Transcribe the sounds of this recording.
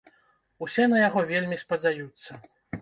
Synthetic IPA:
usʲɛnɐjaɣɔvʲelʲmʲispɐd͡zʲajut̪sːɐ

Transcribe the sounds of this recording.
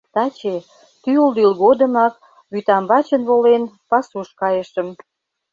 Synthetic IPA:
t̪ɑt͡ɕe | t̪yuld̪ylɣod̪ə̆mɑk | βyt̪ɑmβɑt͡ɕənβolen | pɑsuʃkɑjəʃəm

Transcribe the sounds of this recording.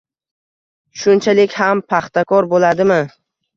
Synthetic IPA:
ʃʊnt͡ʃʰalɪkʲhampʰaχt̪akʰɒɾbolad̪ɪmɪ

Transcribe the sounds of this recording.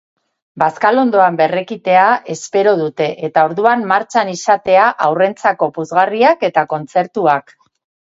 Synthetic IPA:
baskalo̞nd̪o̞ambe̞re̞kit̪e̞aʔe̞spe̞ɾo̞ðut̪e̞ʔet̪ao̞ɾðuamːaɾt͡ʃanisat̪e̞aʔawre̞nt͡sako̞puzɣariake̞t̪ako̞nt͡se̞ɾt̪uak

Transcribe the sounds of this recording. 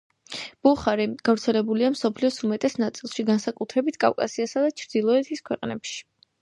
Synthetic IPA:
b̥ɔχaɾɛɡ̥avɾt̪sʰɛlɛbuliamsɔpʰliɔsumɛt̪ʼɛsnat̪sʼilˠʃiɡansakʼut̪ʰɾɛbit̪ʰkʼa̰fkʼasiasad̪at͡ʃʰɾd̪ilˠɔɛt̪ʰiskʰwɛqʼnɛpʃi̥

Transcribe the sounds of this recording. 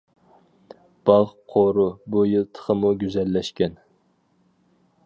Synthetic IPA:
b̥ɑʁqʰoɾʊbujilt̪ʰə̥qʰəmuɡʲyzɛlːɛʃkʲɛn

